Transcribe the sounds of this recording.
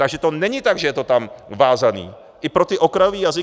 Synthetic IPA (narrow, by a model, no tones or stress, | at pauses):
aɡʒɛt̪o̞nɛɲɪt̪aɡʒɛjɛt̪o̞t̪amvaːzanḭː | ʔɪpɾot̪ɪʔo̞kɾajoviːjazɪ